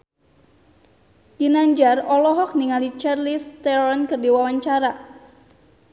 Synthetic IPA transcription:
ɡ̥inaɲd͡ʒarɔlɔɦɔk̚niŋalit͡ʃarlist̪ɛɔnkɨrdiwawaɲt͡ʃaɾa

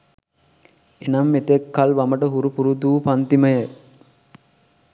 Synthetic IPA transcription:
enamːet̪ekːalʋaməʈəɦuɾupuɾud̪uːpant̪iməjə

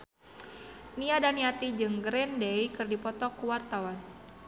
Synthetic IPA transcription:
niadaniat̪id͡ʒɨŋɡɾɛndejkɨrdipɔt̪ɔkuwart̪awan

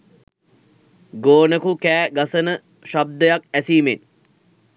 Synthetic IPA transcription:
ɡoːnəkukæːɡasənə | ʃab̚d̪əjakæsiːmen

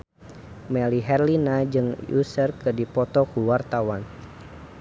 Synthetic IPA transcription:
mɛliɦɛrlinad͡ʒɨŋjṵsərkɨdipɔt̪ɔkuwart̪awan

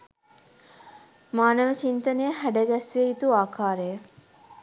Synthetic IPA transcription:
maːnəʋət͡ʃint̪ənejəɦæɖəɡæsʋieit̪uaːkʰaːɾəjə

